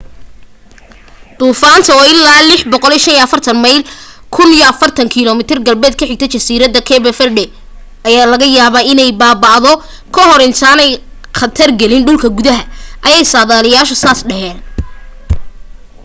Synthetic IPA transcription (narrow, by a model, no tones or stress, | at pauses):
d̪̥uːfaːnt̪ʰɐɔɪlːaːlɪħbɔqɔliːʃɐnijɐfɐrt̪ʰɐnmɐjl | kʰʊnijɔɐfɐrt̪ʰɐŋkʰiːlɔːmɪt̪ʰɪrɡɐlbɛːd̪̚kʰɐħɪɡ̚t̪ʰɛt͡ʃɐsiːɾɐðɐkʰɛbɛfɛrɖɛ | ʔɐjaːlɐɣɐjaːβaːɪnɛjbaːbɐʔðɔ | kʰɐhɔɾɪnt̪ʰaːnɛj | χɐt̪ʰɐrɡɛlɪnɖʊlkʰɐɡʊðɐɦɐʔɐjɛjsaːðaːlɪjaːʃɔsaːsɖɐhɛːn